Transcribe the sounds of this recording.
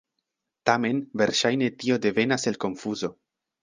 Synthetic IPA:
tame̞nve̞ɾʃajne̞tio̞de̞ve̞nase̞lko̞nfuzo̞

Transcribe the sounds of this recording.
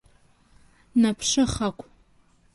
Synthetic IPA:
napʰʂɨχakʷʼʰ

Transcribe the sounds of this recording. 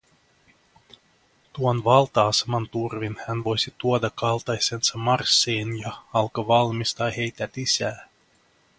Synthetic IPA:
t̪uonʋɑlˠt̪ɑːsemɑnt̪urvinhænʋo̞jsʲit̪uod̪ɑkɑlˠt̪ɑjsensɑmɑrsːiːnjɑɑlkɑʋɑlmist̪ɑːhe̞jt̪æt̪isæː

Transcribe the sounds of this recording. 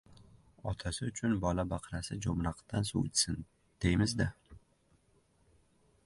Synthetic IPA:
ɒt̪ʰasɪʊt͡ʃʰʊnbɒlabaqʰɾasɪd͡ʒomɾaqd̪ansṵt͡ʃ̪sɪn | d̪̥ejmɪzd̪a

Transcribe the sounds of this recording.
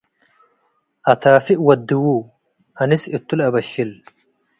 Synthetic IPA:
ʔɐt̪aːfɪʔwɐd̪ːɪwuː | ʔɐnɪsɪt̪ːʊlɐbɐʃːɪl

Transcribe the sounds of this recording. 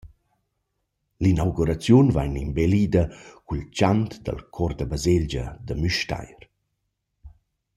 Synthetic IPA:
linawɡuɾat͡sjunva̰jnimbelid̪akult͡ʃant̪d̪a̰lkʰɔrd̪əbazeld͡ʒə̰d̪əmyʃta̰jɾ

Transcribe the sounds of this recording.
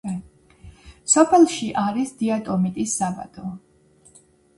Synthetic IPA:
sɔpʰɛlˠʃiʔaɾisd̪iat̪ʼɔmit̪ʼisːaba̰t̪ʼɔ

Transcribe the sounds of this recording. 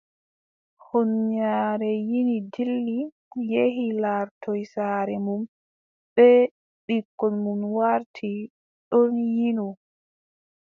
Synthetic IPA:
honɲaːɾɛjinidilːi | jeɦilaɾtɔjsaːɾɛmum | bɛ | ɗikːɔnmumwaɾtʰi | ɗonjinɔ

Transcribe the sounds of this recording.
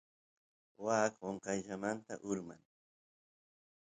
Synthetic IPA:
waːkoɴqɑjʎamant̪aʔʊɾmaŋ

